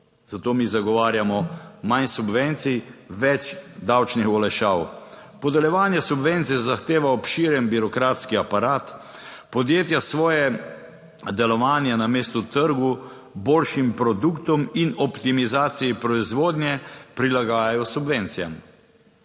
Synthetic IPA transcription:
z̥at̪oːmiːzaɡɔʋaːɾjamɔmansubʋent̪sijʋɛt͡ʃd̪awt͡ʃnixɔlɛʃaw | pɔd̪ɛljɛʋaːnjasubʋent̪sijɛzaxt̪eːʋaɔpʃiɾjɛnbiɾɔkɾaːt̪skiapaɾaːt̪pɔd̪jeːt̪jasʋɔːjɛ | d̪ɛlɔʋaːnjɛnameːst̪ut̪əɾɡu | boːlʃimpɾɔd̪ukt̪ɔminɔpt̪imizaːt̪sijipɾɔizʋoːd̪njɛpɾilaɡaːjajɔsubʋɛnt̪sijam

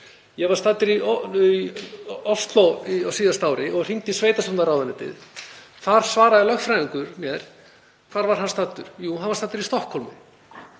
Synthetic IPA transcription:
jɛɣvaɾ̥st̪aːt̪ːɪɾiiɔst̪lowiawsiːðast̪aːwɾɪʔɔɣr̥iŋt̪isveːjt̪asamnaɾaːwðanɪt̪ɪ̰ð | θaɾ̥svaːɾaðɪlœxfɾajiŋkʏɾ̥mjɛɾ̥ | kʰv̥aːɾvaɾ̥ɦanst̪at̪ːʏɾ̥juɦanvḁst̪aːt̪ɪɾist̪ɔhkʰːɔlmʏ

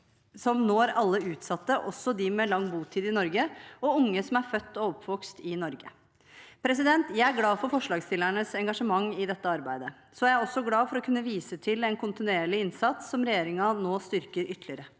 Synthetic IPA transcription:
sɔmnoːɾɑlːəʉːt̪sɑt̪ːəʔɔsːɔd̪ɪmɛlɑŋːbuːt̪ʰiːd̪ɪnɔɾɡəɔʊŋːəsɔmæɾfœt̪ːɔɔpʰːʋɔkst̪ɪnɔɾɡə | pʰɾɛs̬ɪd̪ɛnt̪jæɪæɾɡlɑːfɔɾfɔʂlɑːɡst̪ɪlːæɳəsɛŋɡɑʂəmɑŋːɪd̪ɛt̪ːəɑɾbæɪd̪ə | sɔææɔsːɔɡlɑːfɔɾɔkʰʉnːəʋiːsət̪ʰɪlɛnkʰʊnt̪ɪnʉeːɭɪɪnsɑt̪sːɔmɾɛjeːɾɪŋɑnoːst̪ʏɾkəɾʔʏt̪ːlɪəɾə

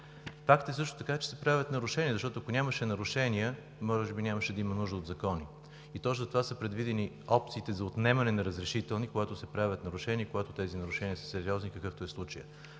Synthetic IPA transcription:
fakt̪əɛsɤʃt̪ʊ̥t̪ɐkat͡ʃɛ̥sɛpɾavʲət̪nɐɾʊʃɛniəzɐʃt̪ɔt̪ʊɐkonʲaməʃɛnɐɾʊʃɛniə | mɔʒɛbinʲaməʃɛd̪ɐimɐnuʒd̪əod̪zɐkɔni | it̪ɔt͡ʃzɐt̪ovasəpɾɛd̪vid̪ɛni | ɔp̚t̪siːt̪ɛzɐot̪nɛmɐnɛnɐɾəzɾɛʃit̪ɛlˠnikoɡat̪ʊsɛpɾavʲət̪nɐɾʊʃɛniəkoɡat̪ot̪ɛzinɐɾʊʃɛniəsə̥sɛɾiɔznikəkɤft̪oɛslˠut͡ʃəjə̰

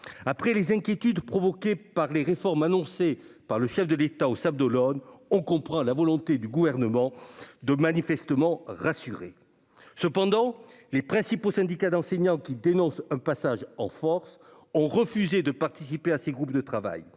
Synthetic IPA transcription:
apχɛlezɛ̃kʲjet̪yd̪pχɔvɔkepaʁleʁefɔʁmanɔ̃sepaʁləʃɛfd̪əlet̪aosab̚d̪ɔlɔnɔ̃kɔ̃pχɑ̃lavɔlɔ̃t̪ed̪yɡuvɛʁnəmɑ̃d̪əmanifɛst̪əmɑ̃ʁasyʁḛ | səpɑ̃d̪ɑ̃ | lepχɛ̃siposɛ̃d̪ikad̪ɑ̃seɲɑ̃kʲid̪enɔ̃sɛ̃pasaʒɑ̰̃fɔʁs | ɔ̃ʁəfyzed̪əpaʁt̪isipeaseɡʁup̚d̪ət̪χava̰j

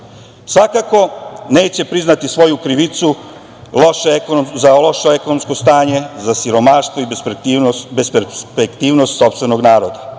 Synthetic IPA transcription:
sʋakako̞ne̞ːt͡ɕe̞pɾiznat̪isʋo̞jukɾiʋit̪su | loʃkozalo̞ʃoe̞konomsko̞st̪aːɲe̞zasiɾo̞maːʃt̪ʋoib | bespepekt̪iːʋnost̪so̞pst̪ʋe̞noɡnaːɾod̪a

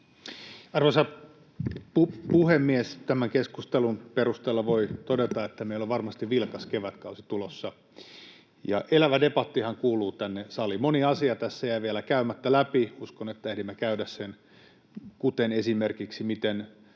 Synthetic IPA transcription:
ɑrʋosɑ | pupuhemːiest̪æmæŋkeskust̪elunperust̪eːlːɑʋoit̪odet̪ɑet̪ːæmeilːoʋʋɑrmɑst̪iʋʋilkɑskeʋæt̪kɑusi̥t̪ulosːɑ | jɑ̰ʔelæʋædepɑt̪ːihɑŋkuːluːt̪ænːesɑlimoniɑsiɑt̪æsːæjæiʋielækæymæt̪ːælæpiuskonet̪ːæehdimːækæydæssen | kut̪enesimerkiksimit̪en

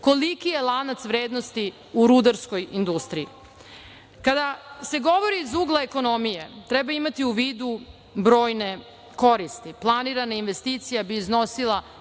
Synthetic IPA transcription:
ko̞likijelˠanat̪sʋɾeːd̪no̞st̪i | uɾud̪aɾsko̞jind̪ust̪ɾiḭ | kad̪ase̞ɡo̞ʋo̞ɾiːzuɡlˠaeko̞no̞mijet̪ɾɛbaimat̪iuʋiːd̪u | bɾo̞ːjne̞ | ko̞ɾist̪iplˠaniɾanainʋe̞st̪iːt̪sijabiːzno̞silˠa

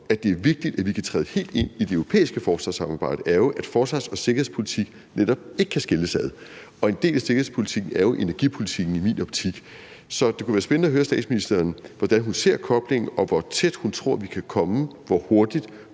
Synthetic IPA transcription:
æ̥d̥e̝æɐʋe̝ɡ̥̚d̥id̥æʋikʰæt͡sʰʁɛːðˠhe̝̰ːld̥e̝n̰id̥eøʊʁo̝pʰḛːisɡ̥əfɒːsʋɑ̈sɑ̈mɑ̈ːb̥ɑ̈ɪ̰ɾ̥əʔæɐjo̝ʔæd̥fɒːsʋɑ̈sɒ̽se̝ɡ̥ɐhḛspʰo̝lit͡sʰiɡ̥ | neɾ̥ɒ̽b̥̚e̝ɡ̥əkʰæsɡ̥eləsæð̩ˠ | ɒ̽e̝nd̥e̝̰ːlæse̝ɡ̥ɐhḛspʰo̝lit͡sʰiɡ̥n̩æɐjo̝ʔe̝næɐɡ̥ḭːpʰo̝lit͡sʰiɡ̥n̩imḭːnɒ̽b̥̚t͡sʰiɡ̥ | sɒ̽d̥ekuʋæːɐsb̥ennəɒɦøːɐsd̥ɛ̰ːd̥sminisd̥ɐːnʋɒd̥ænɦunse̝ɐ̰kʰɒ̽b̥le̝ŋ̰n̩ʔɒ̽ʋɒt͡sʰed̥hunt͡sʰʁo̝ɐ̰ʋikʰækʰɒ̽məʋɒho̝ɐd̥id̥

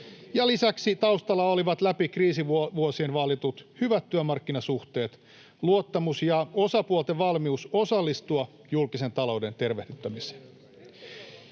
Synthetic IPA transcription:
jɑlisæksit̪ɑust̪ɑlːɑoliʋɑt̪læpikriːsiʋʋuosienʋɑlit̪ut̪hyʋæt̪ːyømɑrkːinɑsuht̪e̞ːt̪ | luot̪ːɑmusjɑosɑpuolˠt̪eʋɑlmiuso̞sɑlːist̪uɑ | julkise̞nt̪ɑlo̞ude̞nt̪e̞rʋehdyt̪ːæmise̥ːn

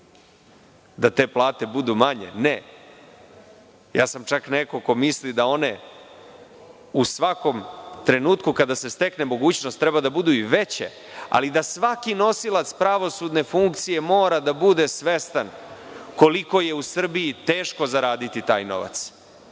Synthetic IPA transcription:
d̪at̪e̞ːplˠaːt̪e̞bud̪umaɲe̞̰ne | ja̰ːsamt͡ʃakneko̞ko̞mislid̪ao̞ne̞ | usʋako̞mt̪ɾe̞nuːt̪kukad̪ase̞st̪e̞kne̞mo̞ɡuːt͡ɕnost̪ːɾɛbad̪abud̪uiʋe̞t͡ɕḛ | a̰lid̪asʋakino̞silat̪spɾaʋo̞sud̪ne̞fuŋkt̪sije̞mo̞ːɾad̪abud̪e̞sʋe̞st̪an | ko̞liko̞jeusr̩bijit̪e̞ːʃko̞zaɾaːd̪it̪it̪aːjno̞̰ʋa̰t̪s

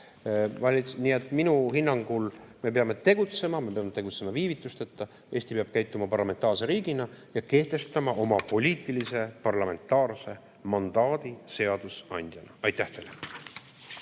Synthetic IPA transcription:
vɑlʲinie̞t̪ːˑminuhinːɑŋɡulme̞pe̞ɑme̞t̪e̞ɡ̥ut̪se̞mɑme̞peɑmet̪e̞ɡ̥ut̪se̞mɑviːvit̪ːˑust̪et̪ˑːɑ | e̞ːst̪ipeɑb̥̚kæjt̪ːˑumɑpɑrlɑme̞nt̪ːˑɑːrse̞ɾiːɡ̥inɑjɑke̞ht̪e̞st̪ɑmɑo̞mɑpo̞lʲiːt̪ːˑilise̞pɑrlɑme̞nt̪ːˑɑːrse̞ | mɑnd̪̥ɑːd̪̥ise̞ɑd̪̥usɑnʲd̪̥jɑnɑɑjt̪ːæht̪ele

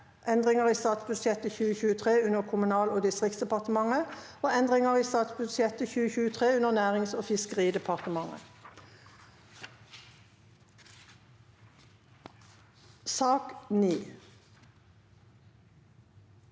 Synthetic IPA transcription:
ʔɛnd̪ʁɪŋəʁiːst̪ɑːt̪sbʉd̪sjɛt̪əçʉːəçʉːət̪ʰʁeːʉnəʁkʰʊmʉnɑːloːd̪ɪst̪ʁɪkt̪sd̪əpɑʁt̪əmɑŋəoːɛnd̪ʁɪŋəʁiːst̪ɑːt̪sbʉsjɛt̪əçʉːəçʉːət̪ʰʁeːʉnəʁnæːʁɪŋsoːfɪskəʁiːd̪ɛpʰɑʁt̪əmɑŋə̰ | sɑːkniː

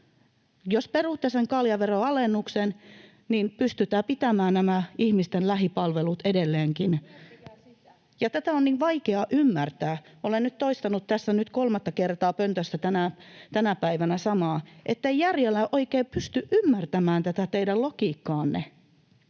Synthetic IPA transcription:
josperuˑt̪ːeseŋkɑljɑʋeroɑlenːuksen | niːnpyst̪yt̪æːpit̪æmæːnnæmæihmist̪enlæɦipɑlʋelut̪edelːeːŋkin | jɑt̪æt̪æonniːʋʋɑikeɑʔymːært̪æːolennyt̪t̪oist̪ɑnut̪t̪æsːænyt̪kolmɑt̪ːɑkert̪ɑːpønt̪øsːæt̪ænæt̪ænæpæiʋænæsɑmɑːʔet̪ːeijjærjelːæʔoikeːpyst̪yʔʔymːært̪æmæːnt̪æt̪æt̪eidællokiːkːɑːnːḛ

